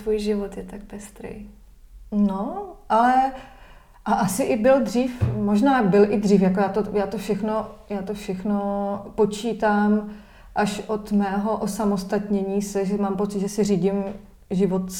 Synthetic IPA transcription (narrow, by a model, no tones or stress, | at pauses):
vuːjʒɪvot̪jɛt̪ak̚pɛst̪ɾḛj | noʔalɛ | ʔaʔasɪʔɪbɪld̪r̝iːfmo̞ʒnaːbɪlʔɪd̪r̝iːfjakojaːt̪ojaːt̪ofʃɛxno̞jaːt̪ofʃɛxnopo̞t͡ʃiːt̪aːm | ʔaʃʔo̞t̪mɛːɦo̞ʔosamost̪at̪ɲɛɲiːsɛʒɛmaːmpo̞t͡sɪt̪ʒɛsɪriːɟɪm | ʒɪvot̪